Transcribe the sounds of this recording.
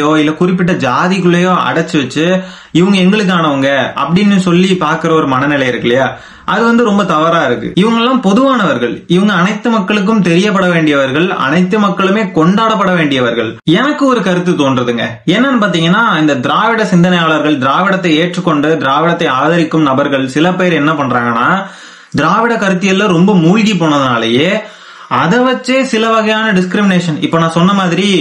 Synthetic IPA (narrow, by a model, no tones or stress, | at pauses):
joːɪlːɐkʊrɪp̬ːɪʈːɐd͡ʒaːðɪkɯɭːɐjoːʔɐ̰ɽɐt͡ʃːɯʋɐt͡ʃːɯ | ɪʋɯŋɡɐɛŋɡɐɭɯk̬ːaːnɐʋɯŋɡɐɐ̰pːɐɽɪnːɯsɔlːipaːɾkɯɾɐɔɾɯmɐnɐnɪlɐɪɪɾɯkːɐɭɐjaː | ʔɐðɯʋɐnd̪ɯɾɔmbɐt̪ɐʋɐɾaːɪɾɯkːɯ̰ɪʋɐŋɡɐɭɛlːaːmpɔðɯʋaːnɐʋɐɾɣɐɭɪʋɯŋɡɐːnɐɪt̪ːɯmɐkːɐɭɯk̬ːɯmt̪ɛɾɪjɐp̬ːɐɽɐʋeːɳɖɪjɐʋɐɾɣɐɭɐ̰nɐɪt̪ːɯmɐkːɐɭɯmeːkɔɳɖaːɽɐpːɐɽɐʋeːɳɖɪjɐʋɐɾɣɐɭɛnɐkːɯɔɾɯkɐɾɯt̪ːɯt̪oːndrɐðɯŋɡɐ̰ | ɛnːɐnpaːɾt̪̬iːŋɡɐnːaːɪnd̪ɐd̪ɪɾaːʋɪɽɐsɪnd̪ɐnɐjaːɭɐɾɣɐɭd̪ɪɾaːʋɪɽɐt̪ːɐɪeːʈrɯkːɔɳɖɯd̪ɪɾaːʋɪɽɐt̪ːɐɪaːðɐɾɪkːɯmnɐbɐɾɣɐɭsɪlɐpeːɾɛnːɐpɐɳːraːŋɡɐnːaː | d̪ɪɾaːʋɪɽɐkɐɾɯt̪̬ːɪjɐlːɐɾɔmbɐmuːɻɣip̬ːoːɳɐðɯnaːlɐjeː | ɐðɐʋɐt͡ʃːeːsɪlɐʋɐɣɐjaːnɐɖɪskɪɾɪmɪneːʂɐnɪpːoːnãːsɔnːɐmaːðɪɾi